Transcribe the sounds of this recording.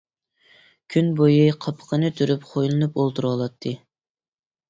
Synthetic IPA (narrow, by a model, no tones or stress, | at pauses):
kʲʰynbojiqʰɑpʰə̥qənɨt̪ʰyɾypχʰojlˠɨnupolˠt̪ʰuɾwɑlˠɑt̪ʰːɨ